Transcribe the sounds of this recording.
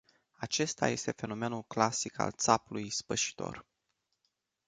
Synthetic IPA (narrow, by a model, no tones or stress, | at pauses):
at͡ʃe̞st̪a̰je̞st̪efe̞no̞me̞nulklasika̰lt̪sapulujspəʃi̥t̪o̞̰r